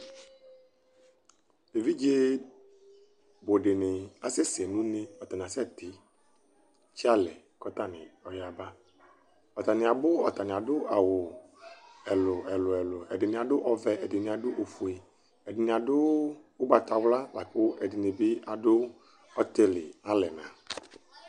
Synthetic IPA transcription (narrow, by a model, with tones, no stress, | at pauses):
e˨vi˦d͡ʒe˦ | bo˨ɖɪ˨nɪ˨a˨sɪ˦se˨nũ˦ne˦ɔ˨t̪a˨n˨a˨sɛ˦t̪ɪ˨ | t͡ʃi˦a˦lɛ˨ | kɔ˦t̪a˦nɪ̰̃˨ɔ˨ja˨ba˦ | ɔ˨t̪a˨nɪ̃˨a˨bʊ˦ɔ˨t̪a˨nɪ̃˨a˨dʊ˦a˨wʊ˨ | ɛ˨lʊ˨ɛ˨lʊ˨ɛ˨lʊ˨ɛ̰˨dɪ˨nɪ̃˨a˨ɖʊ˦ʔɔ˦vɛ˨ɛ˨dɪ˨nɪ̃˨a˨dʊ˦ʔo˨fu˨e˨ | ɛ˨dɪ˨nɪ̃˨a˨dʊ˦wʊ˦ɡ͡ba˨t̪a˨wla˦la˨k͡pʊ˦ɛ˨dɪ˨nɪ˨bɪ˦a˨dʊ˦ | ɔ˦t̪e˦lɪ̰˨a˦lɛ˨nã˨